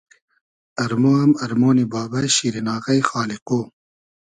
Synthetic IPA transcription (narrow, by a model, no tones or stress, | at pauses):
ɐɾmoɐmɐɾmoːnibɑːbɐɕiɾinɑːɣɐjxɑːliqoː